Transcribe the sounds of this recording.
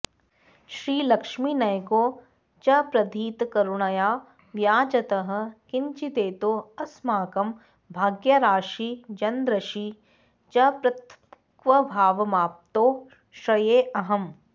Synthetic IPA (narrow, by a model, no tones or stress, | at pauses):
ʃɾiːlɐkʂminɐjkoː | t͡ʃɐpɾɐd̪ʱiːt̪kɐɾuɳɐjaː | ʋjaːd͡ʒɐt̪ɐɦɐ̆kɪɲt͡ʃit̪eːt̪oːɐsmaːkɐm | bʱaːɡjɐɾaːʃid͡ʒɐnd̪ɾɐʃi | t͡ʃɐpɾɐt̪ | kʋɐbʱaːʋɐmaːp̚t̪oː | ʃɐjeːʔɐɦɐm